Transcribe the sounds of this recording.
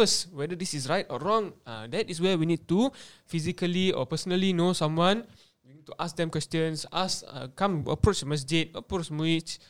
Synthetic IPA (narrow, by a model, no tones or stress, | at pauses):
əswɛdədisisɹajtɔ̰ɹɔ̃ŋdɛtiswɛwinid̚tufizikəliɔ̰pəsənəlinosãmwãn | winid̚tuʔas̚dɛ̃mkwɛstjə̃nsasə̰kãmə̰pɹot͡ʃmas̬d͡ʒit̚əpɹot͡ʃmit͡ʃ